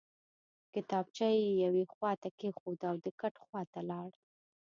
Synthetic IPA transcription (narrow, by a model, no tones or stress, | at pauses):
kɪt̪ɑb̚t͡ʃajejawexwɑt̪akexod̪awd̪əkaʈxwɑt̪alɑɽ